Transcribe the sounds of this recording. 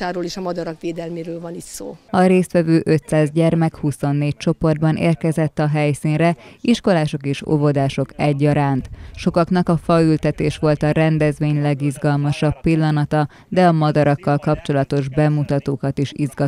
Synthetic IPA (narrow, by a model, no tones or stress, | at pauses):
aːɾoːleʃɒmɒd̪ɒɾɒkʋeːd̪ɛlmeːɾøːlvɒnit̪soːɒɾeːst̪ʋɛvøːʔøt̪saːzɟɛrmɛkhuso̞nːeːc̚t͡ʃo̞po̞rd̪̚bɒnʔḛːrkɛzɛt̪ːɒɦɛjsinrɛiʃko̞laːʃo̞keːʃo̰vo̞d̪aːʃo̞kɛɟːɒɾaːnt̪ʃo̞kɒknɒkɒfɒylt̪ɛt̪eːʃʋo̞lt̪ɒɾɛnd̪ɛzʋeːɲlɛɡizɡɒlmɒʃɒpːilːɒnɒt̪ɒ | d̪ɛɒmɒd̪ɒɾɒkːɒlkɒpt͡ʃo̞lɒt̪o̞ʒbɛmut̪ɒt̪oːkɒt̪iʃizɡɒ